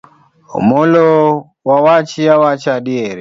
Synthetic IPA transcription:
ṵmɔlɔ | wawat͡ʃiawat͡ʃaɗieɾi

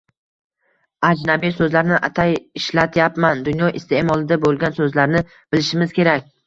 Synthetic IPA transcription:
ad͡ʒnabisɵzlaɾnɪʔat̪ʰajɪʃlat̪ʰjapmand̪ʊnjɒʔɪst̪ʰemɒlˠɪd̪abolˠɡʲansɵzlaɾnɪ | b̥ɪlɪʃɪmɪz̥kʲe̞ɾakʲ

